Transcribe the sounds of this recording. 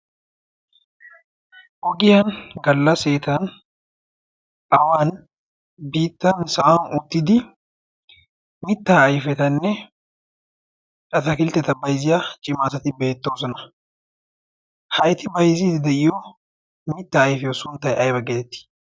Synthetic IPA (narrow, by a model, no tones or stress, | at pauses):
ʔɔɡɪjanɡɐlːɐse̞ːt̪ɐn | ʔɐwaːn | biːt̪ːɐnsɐʔanʊt̪ːɪd̪ɪ | mɪt̪ːaːjfɛt̪ɐnːɛ | t͡ʃʼɐt̪ɐkɪlt̪ɛt̪ɐbɐjzɪjat͡ʃʼɪmaːsɐt̪ɪbe̞ːt̪ːoːsɔnɐ | hɐjt̪ɪbɐjzid̪ɪd̪ɛʔɪjo | mɪt̪ːaːjfɛjosʊnt̪ɐjɐjbɐɡeːɛt̪ːɪ̥